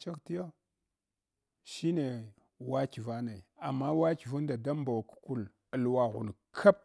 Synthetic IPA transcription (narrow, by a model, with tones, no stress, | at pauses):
t͡ʃa˦kti˦jo˦ | ʃi˦ne˨ | wa˦ki˨va˦na˨i˨a˨mːa˦wa˦ki˨vu˦n˦da˨da˦m˦ba˨wku̥˦ku˦˨l | ə˨lwa˨ɣṵ˨n˨kʰa˦p̚